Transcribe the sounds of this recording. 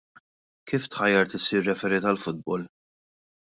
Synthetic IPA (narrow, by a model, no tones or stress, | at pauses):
kiːft̪ħɐjːɐɾt̪ɪsiːrːɛfɛɾɪt̪ɐlfʊd̪̚bɔl